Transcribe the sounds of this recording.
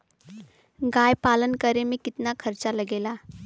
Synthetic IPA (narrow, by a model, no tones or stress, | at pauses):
ɡajpalənkəɾemekit̪nakʰəɾt͡ʃaləɡela